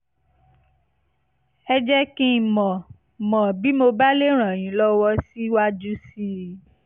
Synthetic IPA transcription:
ɛ˧d͡ʒɛ˦kĩ˦˨mɔ̃˨ | mɔ̃˨bi˨˦mo˧ba˦le˦ɾ̃ã˨j̃ĩ˨˦lɔ˦wɔ˦si˦wa˦d͡ʒu˦si˦

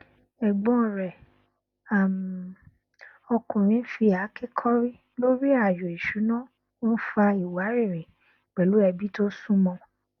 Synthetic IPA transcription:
ɛ˨ɡ͡bɔ̃˨˦˨ɾɛ˨ | a˨m˨ | ɔ˧kũ˨ɾ̃ĩ˨˦fi˧a˨˦ke˦kʰɔ˦ɾi˦ | lo˦ɾi˦a˨jɔ˨i˨ʃu˨˦nã˦ | o˦fa˧i˨wa˨˦ɾe˦˨ɾĩ˨ | k͡pɛ˨lu˨˦ɛ˧bi˦to˦sũ˦mɔ̃˧

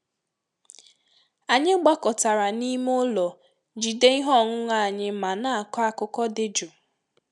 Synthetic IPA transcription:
a˨ɲɪ˦ɡ͡ba˦kɔ˨ta˨ɾa˨ni˦m˦ʊ˦lɔ˨ | d͡ʒi˨de˦i˦ɦɔ˦˨ŋʊ˦ŋa˦˨a˨ɲɪ˦ma˨na˦a˨kɔ˦a˦kʊ˦kɔ˦dɪ˦d͡ʒʊ˨

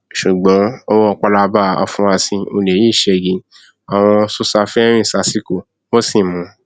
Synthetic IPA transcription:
ʃu˨ɡ͡bɔ̃˨˦o˦wɔ˦˧k͡pa˧la˧ba˦˨a̰˧fũ˨˧a˧sĩ˧o˧˨ne˨ji˦˨ʃɛ˧˨ɡĩ˨˦ | a˨w̃ɔ̃˧su˦sa˧fɛ˦ɛ˦ɾ̃ĩ˦˨sa˧si˦ko˦˨ | mo˦si˦˨mũ˨˦

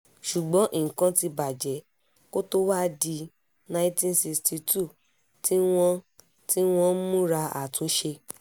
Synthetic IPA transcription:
ʃu˨ɡ͡bɔ̃˨˦ʔi˦˨ŋ̩˨kã˧ti˧ba˨d͡ʒɛ˨˦ | ko˦to˦wa˦di˧ | nã˧ĩ˦tĩ˦n˨si˧sti˧˦tu˦˨ | tʰi˦w̃ɔ̃˦ | ti˦w̃ɔ̃˧˦mũ˦ɾa˧a̰˨tũ˨˦ʃe˧

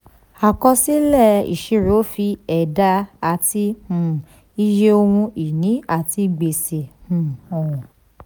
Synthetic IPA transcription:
a˨kɔ̃˧si˦lɛ˦˨ḭ˨ʃe˨˧˦ɾo˨˦fi˧ɛ˨da˧a˨ti˧hũ˨ | i˧je˦o˧hũ˧i˨nĩ˨˦a˦˨ti˧ɡ͡be˨se˨hũ˨ɔ̃˨ɔ̃˨

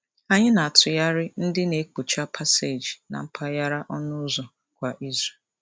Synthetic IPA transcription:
a˨ɲɪ˦na˨a˨tʊ˨ja˦ɾɪ˦n̩˦dɪ˦ne˨˦ko˨t͡ʃa˦pʰa˦se˨d͡ʒi˨na̰˨m̩˦pʰa˦ja˦ɾa˦ʔɔ˦nʊ˦zɔ˨ | kʷa˨ʔi˦ze˨l

